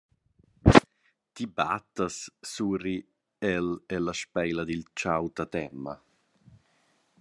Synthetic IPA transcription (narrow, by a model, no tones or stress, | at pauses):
t̪iba̰t̪ːasːuːri | ɛlɛlaʃpɛjlad̪ilt͡ʃawt̪at̪ɛmːa̰